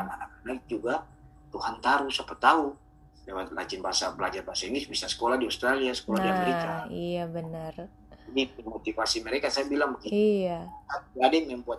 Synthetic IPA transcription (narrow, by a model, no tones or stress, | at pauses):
ananakanad͡ʒuɡa | t̪uhant̪aɾusapət̪au | dewat̪la̰t͡ʃɪnbaasabəlad͡ʒarbaasainisbisasə̥kolahdiast̪ɾaliasə̥koladimiaijabənər | d͡ʒadiimot̪ifasiməɾekasajabilaŋbəkiaaɡadɛŋjaŋbuat̪̚